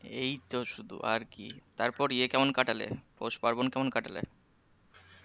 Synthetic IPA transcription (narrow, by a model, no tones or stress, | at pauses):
ejt̪oʃud̪ʱṵʔa̰ɾkḭt̪aɾpɔɾiekɛmonkaʈalḛpoʃpaɾbonkɛmonkaʈalḛ